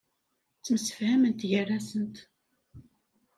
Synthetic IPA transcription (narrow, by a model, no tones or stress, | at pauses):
t͡sːməsə̥fhæmənt̪ʝərːæsənt̪